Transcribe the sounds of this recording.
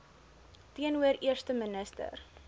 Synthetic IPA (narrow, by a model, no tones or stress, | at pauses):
tiənuəɾiərstəmənəstə̰r